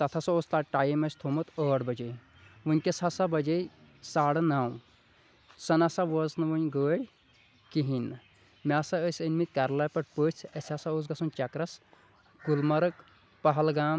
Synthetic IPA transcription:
t̪ɐt̪ʰɐsɐoːst̪aʈaːjimɐsʰʲt̪ʰomɨt̪əːɽbɐd͡ʒej | ʋɨnʲkʲesɐsɐbɐd͡ʒej | saːɽnɐːw | sɐnɐsɐʋəznɨʋənʲɡəːɽʲ | kiɦin | mʲaːsɐəsʲənʲmit̪̚kɐɾlɐːpɐʈpəːt͡sʰɐsʲasɐos̬ɡɐsunt͡ʃɐkɾɐs | ɡulmɐɾɨk | pɐɦɐlɡaːm

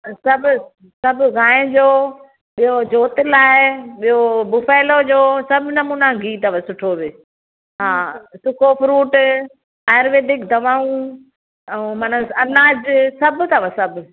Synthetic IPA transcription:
sɐbʊ | sɐbʱʊɡaːɪ̃d͡ʑoː | ɓijod͡ʑoːt̪ɪlaːeɓijobʊfaːɪlod͡ʑoːsɐbʱnɐmuːnaɡiːt̪ɐʋəsʊʈʰoʋeː | ɦaːsʊkofɾuːʈ | aːjɾʋeːɖɪkd̪ʱɐʋaːũ | ɛ̃manəɐnaːd͡ʑsɐbt̪ʰɐʋasɐbʱ

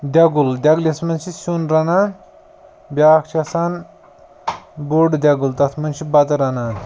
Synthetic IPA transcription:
d̪ʲɐɡuld̪ʲɐɡlismɐnt͡ʃʰisunɾɐnaːn | bʲjaːkt͡ʃʰɐsan | boɖd̪ʲɐɡult̪ɐt̪ʰmɐnt͡ʃʰibɐt̪ɐɾɐnaːn

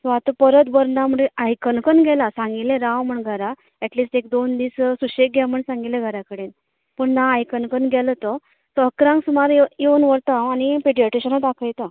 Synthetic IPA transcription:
sɔat̪əpəɾət̪bəɾnam̤əɽeajkənkənɡʱɛlasãŋɡilẽɾaʋməɳɡʱəɾa | ɛʈliːsʈek̚d̪ond̪iːssuɕek̚ɡɛməɳsãŋɡilẽɡʱəɾakəɽen | pəɳnaːjkənkənɡʱɛlət̪ɔ | səɦəkɾãŋksumaɾjeənʋəɾt̪aanipeɽiəʈeɕənət̪akʰəjt̪a

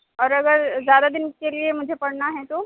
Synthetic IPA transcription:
ɔːɾəɡəɾzjad̪ad̪inkeliemʊd͡ʒʱepəɽnaɦet̪o

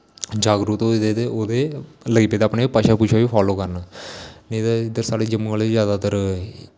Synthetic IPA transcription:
d͡ʒaːɡɾut̪od̪eːt̪eoːd̪eːləɡiːpeːd̪aːpnepaʃaːpʊt͡ʃʃʰaːʋiːpʰaːloːkəɾnnẽd̪aɪd̪əɾsaːɽeːd͡ʒəmɡəlezjaːd̪aːt̪əɾ

